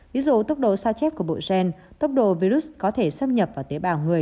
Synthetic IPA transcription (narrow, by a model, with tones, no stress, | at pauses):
vi˨˦zṵ˧˨t̪ə˦˥wk͡p̚ɗo̰˧˨saː˧t͡ɕɛ˦˥p̚ku˧˩əɓo̰˧˨zɛ˧nt̪ə˦˥wk͡p̚ɗo̰˧˨vi˧ɾu˦˥s̚kɔ˨˦t̪ʰe˧˩sə˧mɲə˨˩p̚vaː˨˩t̪e˨˦ɓaː˨˩wŋɨ˨˩əj